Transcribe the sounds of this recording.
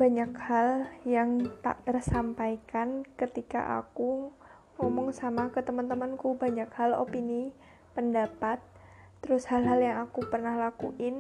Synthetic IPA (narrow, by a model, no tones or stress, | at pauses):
b̥aɲakhaljaŋt̪a̰ʔt̪ərsampajkankət̪ika̰ʔa̰ku | ŋɔmɔŋsamakət̪əmənt̪əmənkubaɲakhalo̰pini | pəndapat̪̚ː | əɾʊshalɦaljaŋakupərnahlakṵʔɪn